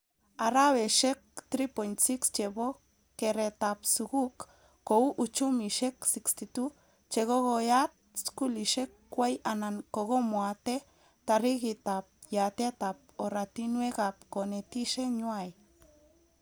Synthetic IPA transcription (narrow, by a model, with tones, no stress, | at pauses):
a˨ɾaβe˨ʃe˦k̚t̪ɾipo˨nt͡si˦kst͡ʃebo˦ | keɾe˧t̪apsuɡukː | ou˦ʔut͡ʃumiʃe˦ksi˨kst̪it̪u | t͡ʃe˧ɣo˦ɣojat̪̚ | sku˦liʃe˦kː | we˦janaŋko˧ɣo˦moat̪e˦ | t̪a˨ri˦ɣit̪ap̚ja˨t̪e˦t̪a˨p̚o˨ɾat̪i˦nwe˦ɡapko˨ne˨t̪i˦ʃe˦ɲwaj